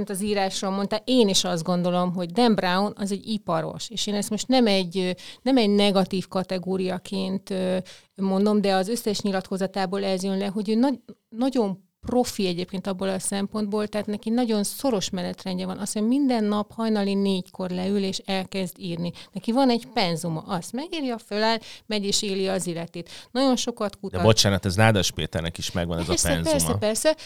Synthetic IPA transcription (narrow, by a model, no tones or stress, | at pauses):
mit̪ɒziːɾaːʃroːlmo̞nt̪aːʔeːniʃɒzd̪ɡo̞nd̪o̞lo̞mɦo̞ɟd̪ɛmbraonɒzɛɟipɒɾo̞̰ʃeːʃeːnɛst̪mo̞ʃt̪nɛmɛɟːnɛmɛɟnɛɡɒt̪iːfkɒt̪ɛɡoːɾijɒkʰeːnt̪ø | mo̞nd̪o̞md̪ɛɒzø̞sːɛʃɲilɒt̪ko̞zɒt̪aːboːlɛzjønlɛɦo̞ɟøːnɒnɒɟo̞m | pro̞fiɛɟeːp̚keːnt̪ɒbːolɒsɛmpo̞nd̪̚boːlt̪ɛɦaːt̪nɛkinɒɟo̞nso̞ɾo̞ʃmɛnɛt̪rɛɲɟɛvɒnʔɒshomind̪ɛnːɒphɒjnɒlineːɟko̞rlɛyleːʃɛlkɛzd̪iːrninɛkivɒnɛɟpɛnzumɒʔɒst̪mɛɡiːrjɒfølaːlmɛɟeːʃeːliɒzilːɛt̪eːt̪nɒɟo̞nʃo̞kɒt̪kut̪d̪ɛbo̞t͡ʃaːnɒt̪ɛzlaːd̪ɒʃpḛːt̪ɛ̰rnɛ̰kiʃmɛɡʋɒnɛzɒɛsɛɛ̰nzpːɛrmɛpɛrsɛ